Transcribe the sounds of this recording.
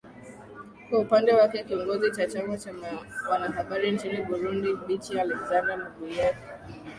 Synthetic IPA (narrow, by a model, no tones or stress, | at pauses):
kwaupandɛwakɛkiɔŋɡɔzit͡ʃat͡ʃambɔt͡ʃamwanaɦaɓaɾint͡ʃiniɓuɾundiɓitialɛkzandamaɡuijakɛ